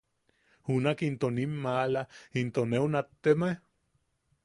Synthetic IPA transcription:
hunakint̪onimːalaint̪oneunat̪ːeme

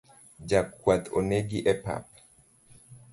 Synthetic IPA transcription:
d͡ʒakːwat̪ʰoneɡiʔɛpa̰p̚

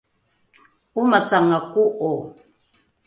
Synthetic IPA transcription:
umat͡saŋakuʔo

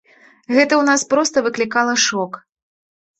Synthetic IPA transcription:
ɣɛt̪ɐwnaspɾɔst̪ɐvɨklʲikalˠɐʂɔk

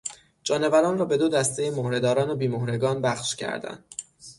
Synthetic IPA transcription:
d͡ʒɒːne̞væɾɒːnrɒːbe̞d̪od̪æst̪ejemohɾe̞d̪ɒːɾɒːnobiːmohɾe̞ɡɒːnbæxʃcʰæ̰ɾd̪æ̰nd̪̥

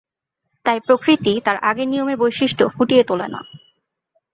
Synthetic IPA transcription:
t̪ajpɾokɾit̪it̪aɾʔaɡenijomeɾbojʃiʃʈofuʈijet̪olena̰

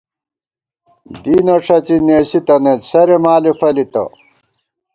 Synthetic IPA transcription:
d̪iːnɐʂɐt͡ɕineːɕit̪ɐnet̪sɐɾemaːlifɐlit̪ɐ̰

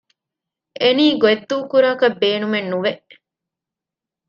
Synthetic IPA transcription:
eniːɡoed̪ːuːkuɾaːkɐbːeːnumenːuʋeʔ

